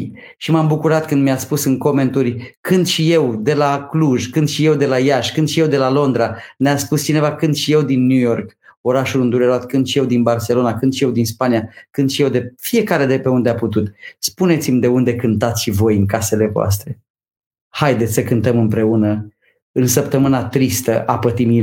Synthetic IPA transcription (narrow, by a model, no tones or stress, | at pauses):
ʃimambukuɾat̪kɨnd̪miaspusɨŋko̞me̞nt̪urʲkɨnd̪ʃije̞wd̪e̞lakluʒkɨnd̪ʃije̞wd̪e̞lajaʃkɨnd̪ʃije̞wd̪e̞lalo̞nd̪ɾaneaspust͡ʃine̞vakɨnd̪ʃije̞wd̪inːujo̞rko̞ɾaʃulɨnd̪uɾeɾoat̪̚kɨnd̪ʃije̞wd̪inbarse̞lo̞nakɨnd̪ʃije̞wd̪inspanijakɨnd̪ʃije̞wd̪e̞fije̞kaɾe̞d̪e̞pe̞und̪eaput̪ut̪spune̞t̪simʲd̪e̞und̪e̞kɨnt̪at̪sʲʃivo̞jɨŋkase̞le̞voa̰s̬t̪ɾe̞ | hajd̪e̞t̪sʲsəkɨnt̪əmɨmpɾe̞unə | ɨnsəpt̪əmɨnat̪ɾist̪əʔapət̪imi